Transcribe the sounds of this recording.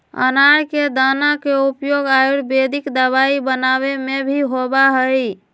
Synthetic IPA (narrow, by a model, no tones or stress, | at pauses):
ə̰naɾked̪anakeupjoɡaiɽbed̪ʱikd̪əβaibənaβemebʱiɦobaɦəj